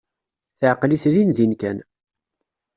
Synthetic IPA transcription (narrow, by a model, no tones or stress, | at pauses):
θʕqlisɾinzinkæn